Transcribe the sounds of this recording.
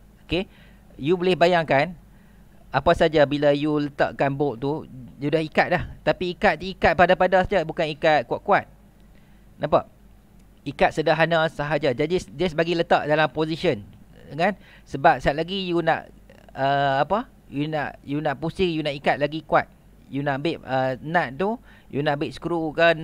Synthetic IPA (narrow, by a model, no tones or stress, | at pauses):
oke | jubolɪhbajaŋkan | apasad͡ʒabilajulət̪a̰ʔkanboʔt̪ujudahikat̪̚laht̪apiikat̪̚t̪uikat̪̚padapadasad͡ʒabukanikat̪̚kuaʔ̚kuat̪̚ | napa̰ʔ | ikat̪̚sədaɦanasaɦad͡ʒad͡ʒad͡ʒisdiəsəbaɡilət̪aʔdalampozisənŋan | səbap̚saʔ̚laɡijunã̰ʔ | əapə | juna̰ʔjunãʔpusɪkjunãʔikat̪̚laɡikwa̰t̪̚ | junaʔbɪʔ̚ənãʔ̪̚t̪u | junãʔbɪʔ̚sə̥kɾukə